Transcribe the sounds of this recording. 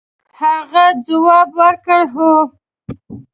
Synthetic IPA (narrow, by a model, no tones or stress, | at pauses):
haɣad͡zawɑbwəɾkəɽɦo